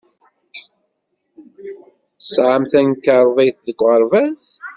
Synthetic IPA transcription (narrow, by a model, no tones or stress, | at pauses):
θəsʕamθænkəɾˤðˤejθðəɡʷʁəɾˤvæs